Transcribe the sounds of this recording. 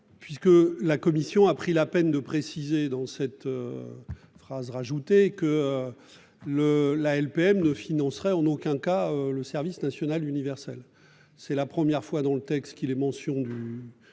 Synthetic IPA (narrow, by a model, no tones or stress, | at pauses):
pɥiskəlakɔmisjɔ̃apχilapɛnd̪əpχesized̪ɑ̃sɛt̪ø | fχazʁaʒut̪ekəø | ləlaɛlpeɛmnəfinɑ̃sʁɛɑ̃nokʲɛ̃kaøləsɛʁvisnasjɔnalynivɛʁsɛl | sɛlapχəmjɛʁfwad̪ɑ̃lət̪ɛkst̪kʲilɛmɑ̃sjɔ̃d̪y